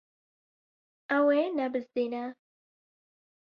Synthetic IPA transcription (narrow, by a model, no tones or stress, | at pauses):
ɐwenɛbɨzd̪iːnɛ